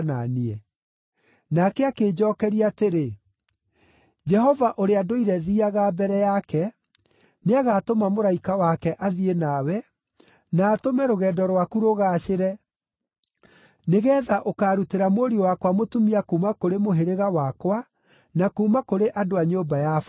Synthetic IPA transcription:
na̰niɛ | nakɛakeːd͡ʒɔːkɛɾiaːteɾe | d͡ʒɛɦɔvaʔoɾeadoiɾɛðiːaɣabɛɾɛjakɛ | neaɣaːtomamoɾaikawakɛʔaðienawɛ | naːtomɛɾoɣɛːdɔɾwakuɾoɣaːʃeɾɛ | neɣɛːðaʔokaːɾuteɾamoɾiowakwamotumiakuːmakoɾemoɦeɾeɣawakwa | nakuːmakoɾeʔadoaɲoːmbajaf

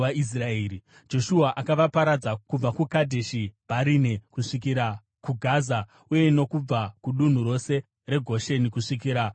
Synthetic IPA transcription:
ais̬raeːɾi | d͡ʒo̞ʃuaʔakaʋapaɾad͡zakub͡vakukadʱe̞ʃibaɾinekuʂik̬iɾa | kuɡʱaza | uje̞ino̞kub͡vakuɗun̤uɾo̞se̞ | re̞ɡʱo̞ʃe̞nikuʂik̬iːɾa

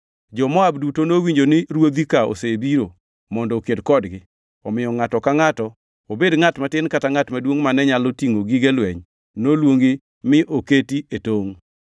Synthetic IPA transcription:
d͡ʒɔmɔabdutonowiɲd͡ʒonɪɾwod̪ikao̰sebiɾo | mɔndɔːkedkɔdɡɪ | ɔmɪjɔŋatɔkaŋatɔ | obedŋatmatɪnkataŋatmadwoŋmanɛɲalotiŋoɡiɡelwɛɲ | nolwoŋɡɪ | mɪʔoketietoŋ

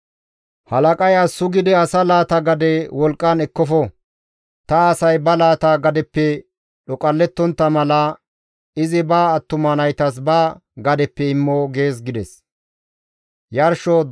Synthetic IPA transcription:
hɐlɐkʼɐjaːsʊɡɪd̪ɪɐsɐlaːt̪ɐɡɐd̪ɛwɔlkʼːɐnɛkːɔfɔ | t̪ɐːsɐjbɐlaːt̪aːɡɐd̪ɛpːɛ | ɗɔkʼɐlːɛt̪ːɔnt̪ːɐmɐlɐ | ɪzɪbaːt̪ːʊmɐnɐjt̪ɐs̬baː | ɡɐd̪ɛpːɛɪmːoɡeːs̬ɡɪd̪ɛs | jɐɾʃo

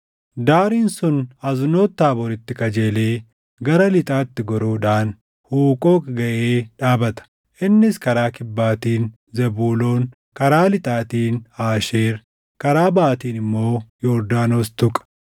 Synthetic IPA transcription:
d̪aːɾiːnsʊnɐzno̞ːt̪ːaːbɔɾɪt̪ːɪkɐd͡ʒeːleː | ɡɐɾɐlɪt̪ʼaːt̪ːɪɡɔɾuːᶑaːn | huːkʼo̞ːkɡɐʔeːᶑaːbɐt̪ɐ̥ | ʔɪnːɪskɐɾaːkɪbːaːt̪iːn | zɛbuːlo̞ːŋ | kɐɾaːlɪt̪ʼaːt̪iːnaːʃeːɾ | kɐɾaːbaːt̪iːnɪmːo̞ːjoːɾd̪aːno̞ːst̪ʊkʼɐ̥

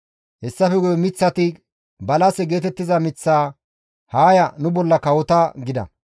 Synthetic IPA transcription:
hɛsːɐfɛɡʊjmɪt͡sːɐt̪ɪ | bɐlɐsɛɡe̞ːt̪ɛt̪ːɪzɐmɪt͡sːaː | haːjɐnʊbɔlːɐkɐwɔt̪ɐɡɪd̪ɐ̰

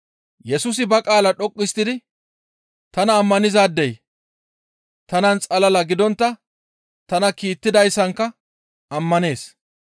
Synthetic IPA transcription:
jɛsuːs̬ɪbɐkʼaːlɐɗɔkʼːɪst̪ɪd̪ɪ | t̪ɐnɐːmːɐnɪzaːd̪ːej | t̪ɐnɐnt͡sʼɐlɐlɐɡɪd̪ɔnt̪ːɐ | t̪ɐnɐkiːt̪ːɪd̪ɐjsːɐŋkːɐ | ɐmːɐne̞ːs

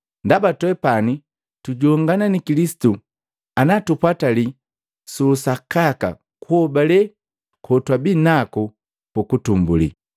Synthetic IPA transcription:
ndabatwɛpani | tuɟɔŋɡananikilisi̥tu | anatupwatali | susakaka̰ | kuɔbalɛ | kʰɔtwabinaku | pukutumbṵlḭ

